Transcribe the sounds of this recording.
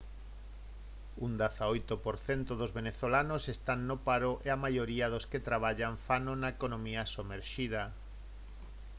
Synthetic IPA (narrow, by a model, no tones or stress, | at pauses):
und̪aθaojt̪ʊpoɾθent̪oðozβeneθolanosest̪anːopaɾoʔeamajoɾiɐðosket̪ɾaβ̞aʎaɱfanonaekonõmiɐsomeɾʃiðɐ